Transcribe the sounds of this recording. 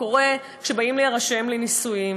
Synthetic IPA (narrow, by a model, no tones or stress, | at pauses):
oʁe | kʃe̞baimliaʁaʃe̞mlinisuji